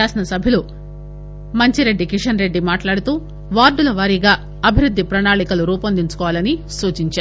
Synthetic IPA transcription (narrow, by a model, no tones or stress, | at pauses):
aːsinɐsɐbʱilu | mɐɲt͡ʃiɾe̞ɖːikiʂɐnɾe̞ɖːimaːʈlaːɽut̪uː | ʋaːɾɖulɐʋaːɾiːɡaː | ɐbʱiɾud̪ʱːipɾɐnaːɭikɐluɾuːpɐnd̪iɲt͡ʃu̥kɔːʋaːlɐnisuːt͡ʃiɲt͡ʃaːɾu